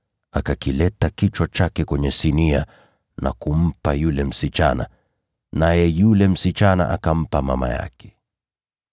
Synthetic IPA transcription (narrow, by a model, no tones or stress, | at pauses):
akakilɛtakit͡ʃwat͡ʃakɛkwɛɲɛsinia | nakum̩pajulɛm̩sit͡ʃana̰ | najɛjulɛm̩sit͡ʃana̰ʔakam̩pamama̰ja̰kʰɛ̥